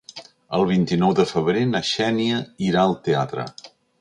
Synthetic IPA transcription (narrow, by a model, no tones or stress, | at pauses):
əlˠβ̞int̪inɔwðəfəβɾenəʃɛniəiɾaəlˠt̪ea̰t̪ɾə̰